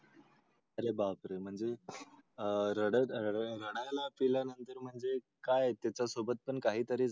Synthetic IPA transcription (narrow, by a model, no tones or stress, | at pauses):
əɾebapɾəm̤əɳd͡ze | ɾəɽəɾəɽ̃ajlapiljanənt̪əɾm̤əɳd͡ze | kajt̪jat͡sasobət̪̚pəɳkaɦiːt̪əɾiːd͡z